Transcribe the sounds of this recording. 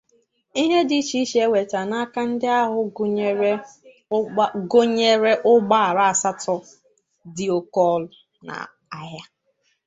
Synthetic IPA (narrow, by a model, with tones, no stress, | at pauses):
i˦ɦe˦di˨˦t͡ʃi˦ʃe˦we˨ta˨na˦ka˦n̩˦dɪ˦a˦ɦʊ˨˦ɾe˦ | ɡo˦ɲe˦ɾe˦ʔʊ˦ɡ͡ba˦˨ɾa˨a˨sa˦tɔ˦ | di˨o˨kɔ˦l | na̰˨ | a˨ja˦